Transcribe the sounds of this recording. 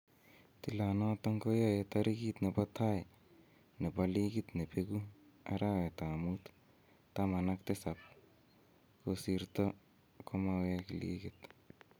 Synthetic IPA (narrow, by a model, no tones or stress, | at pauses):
t̪ilanɔt̪aŋkojɔet̪aɾikit̪nepat̪ʰaj | nepalikɪt̪nepekua̰ɾawet̪amut̪ | tamanak̚t̪esap̚ | kosiɾt̪ɔ | kʰomawɛkilḭkɪt̪